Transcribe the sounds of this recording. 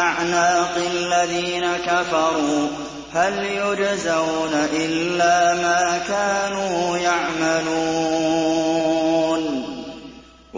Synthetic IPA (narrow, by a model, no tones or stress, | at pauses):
aʕnaːqɪalːaðiːnakafɑɾˤuː | haljʊd͡ʒzaʔuːnaʔɪlːaːmaːkaːnuːjaʕmaluː | n